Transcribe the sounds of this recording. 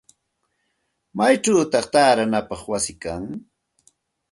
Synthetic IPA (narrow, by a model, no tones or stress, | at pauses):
majʈ͡ʂawt̪ɑχt̪aːɾanapɑχwasɪkaŋ